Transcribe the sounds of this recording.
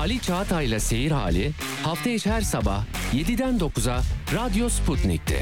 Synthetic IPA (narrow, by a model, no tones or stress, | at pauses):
alʲit͡ʃʰaːt̪ʰajlˠase̞jiɾha̰ːlʲi | haft̪ʰejiʃhæɾsaba̰hje̞d̪id̪ænd̪o̞kʰuzaɾad̪ijo̞spʰut̪nḭc̚t̪ʰɛ̰